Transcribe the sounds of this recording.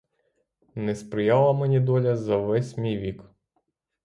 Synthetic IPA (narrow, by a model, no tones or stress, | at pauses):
nɛspɾɪjɑlˠɐmenʲid̪ɔlʲɐzɐʋɛsʲmʲijʋʲik